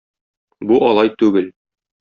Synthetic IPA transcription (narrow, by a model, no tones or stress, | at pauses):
buʔɒlˠɑjt̪ʉɡɘl